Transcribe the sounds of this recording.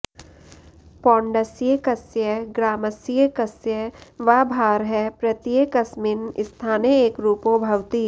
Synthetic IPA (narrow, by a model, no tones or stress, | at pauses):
pɔ̃ːɳɖəsjekɐsjəɡɾaːməsjekɐsjəʋaːbʱaːɾɦɛpɾɐt̪jekəsmɪnɪst̪ʰaːneeːkɾuːpobʱɐwt̪i